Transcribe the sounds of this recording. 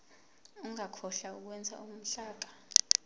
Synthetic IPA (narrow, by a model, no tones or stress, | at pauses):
uŋakʰɔɬauk̬wɛnd͡zʱa̰um̩ɬaːk̬ḁ